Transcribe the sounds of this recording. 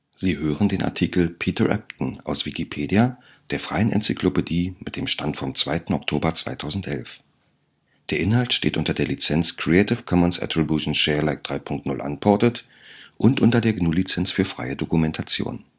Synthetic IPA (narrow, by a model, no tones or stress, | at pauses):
z̥iːhøːʁəndeːnʔa̰ɐtʰiːkl̩pʰiːtɐʁʔɛ̰p̚tn̩ʔa̰ʊsv̥ikipʰeːdia | d̥eːɐfʁ̥aɪənʔɛ̰nt͡sikʰlopediːmɪt̚d̥eːmʃtantfɔmt͡sv̥a̰ɪtn̩ɔk̚tʰoːbɐt͡sv̥a̰ɪtʰaʊzn̩tʔɛ̰lf | d̥eːɐʔɪnɦaltʃtḛːtʔʊntɐdeːɐlit͡sɛnt͡skʁ̥ietɪfkʰɔmənsʔa̰tʁ̥ibjuʃn̩ʃɛːɐlaɪk̚d̥ʁaɪpʰʊŋk̚tnʊlʔa̰ntpʰɔɐtət | ʔʊntʔʊntɐdeːɐɡnuːlit͡sɛnsfyːɐfʁ̥a̰ɪədokumɛntʰat͡sjo̰ːn